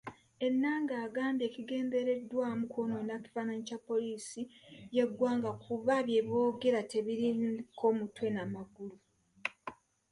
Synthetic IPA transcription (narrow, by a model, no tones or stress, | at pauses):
e̞nːaːŋɡaːɡaːmbje̞ːciɡe̞ːnde̞ɾe̞dːwaːmukʰo̞no̞naci̥faːnaɲicapːo̞liːsije̞ɡwaːŋɡakuβaβje̞βjo̞ːɡe̞ɾate̞βiɾinkʰo̞mutwe̞namaɡulu